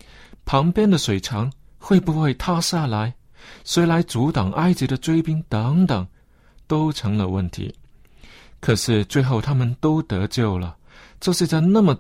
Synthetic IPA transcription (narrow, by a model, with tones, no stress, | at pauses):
pʰɑ˧˥ŋpjɛ˥nd̪ə˨ʂwe˨˩ɪʈ͡ʂʰɑ˧˥ŋ | xwe˥˩ɪpu˧˥xwe˥˩ɪt̪ʰa˥ɕja˥˩la˧˥ɪ | swe˧˥ɪla˧˥ɪt͡su˧˥t̪ɑ˨˩ŋʔa˥ɪt͡ɕi˧˥də˧t͡swe˥ɪpi˥ŋt̪ɤ˧˦˥ŋt̪ɤ˨˩ŋ | t̪o˥ʊʈ͡ʂʰɤ˧˥ŋlə˧wə˥˩nt̪ʰḭ˧˥ | kʰɤ˨˩ʂɻ̩˥˧t͡swe˥˧ɪxo˥˩ʊt̪ʰa˥mə˨nt̪o˥ʊt̪ɤ˧˥t͡ɕjo˥˩ʊlə˩ | ʈ͡ʂɤ˥˧ʂɻ̩˥˧t͡sa˥˧ɪna˥˩mə˨˩